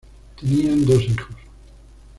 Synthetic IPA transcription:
t̪eniand̪osixos

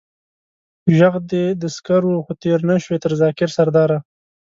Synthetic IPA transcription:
ʒaɣd̪ed̪əskaɾwuxot̪eɾnaʃwet̪əɾzɑkɪɾsaɾd̪ɑːɾa

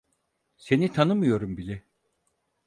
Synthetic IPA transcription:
se̞nit̪ʰanɯmɯjo̞ɾumbilʲɛ

